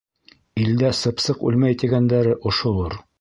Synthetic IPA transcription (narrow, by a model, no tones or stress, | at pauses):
ild̪æsɤ̆psɤqʉ̰lmæjt̪iɡænd̪æɾɘʔŏʃŏlˠoɾ